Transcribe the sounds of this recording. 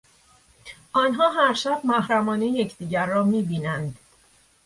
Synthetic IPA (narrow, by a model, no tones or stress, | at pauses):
ʔɒːnɦɒːɦæɾʃæb̥̚mæɦɾæmɒːnejecʰd̪iːɟæɾːɒːmiːbiːnænd̪